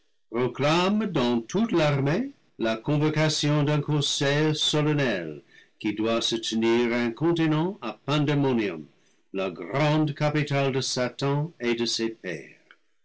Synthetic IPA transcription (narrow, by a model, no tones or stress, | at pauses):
proklamdɑ̃tʰutlaʁme | lakɔ̃vokasjɔ̃dɛ̃kɔ̃sɛjsolonɛlkidwasətʰəniʁɛ̃kɔ̃tinɑ̃apɛ̃demonjɔ̰̃m | laɡrɑ̃dkapitaldəsatɑ̃edəsepɛ̰ːʁ